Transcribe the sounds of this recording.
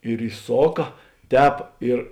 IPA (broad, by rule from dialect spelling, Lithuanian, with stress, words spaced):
ɪr ɪˈsoːkɐ ˈtʲɛːp ɪr